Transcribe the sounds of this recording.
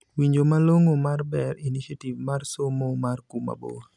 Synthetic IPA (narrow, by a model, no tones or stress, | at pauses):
wiɲd͡ʒomaloŋomarbɛɾiniʃativmarsomomarkuma̰bo̰